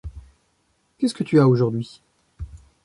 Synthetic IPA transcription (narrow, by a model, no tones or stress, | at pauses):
kʲɛskət̪yaoʒuʁd̪ɥi